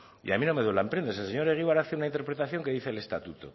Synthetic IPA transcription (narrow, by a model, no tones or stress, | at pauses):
ḭamino̞me̞ðwelaempɾe̞nd̪aeselseɲo̞ɾeɣ̞iβaɾaθeunaint̪̬eɾpɾet̪aθjo̞ŋke̞ðiθele̞st̪at̪ut̪o̰